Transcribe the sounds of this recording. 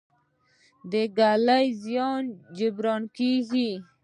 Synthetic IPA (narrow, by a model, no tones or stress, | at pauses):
d̪əɡalajzjɑnd͡ʒɪbɾɑnkiɡi